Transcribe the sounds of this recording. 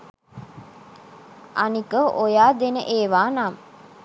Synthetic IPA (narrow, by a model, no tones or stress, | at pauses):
a̰nikəʔojaːd̪enəʔeːʋaːnam